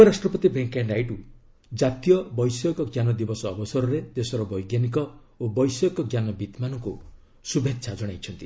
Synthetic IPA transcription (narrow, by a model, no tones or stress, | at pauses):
uɔɾasʈɾɔpɔt̪ibʱeŋkanɖajʈu | d͡ʒat̪ijɔbɔjsjɔkɔɡjanɔd̪ibɔsɔːbɔsɔɾɔɾed̪esɔɾɔbɔjɡjanik̬ɔ | obɔjsɔkɔɡjanɔbit̪manɔŋku | subʱetsʰad͡ʒɔɽ̃ajt͡ʃʰɔnt̪i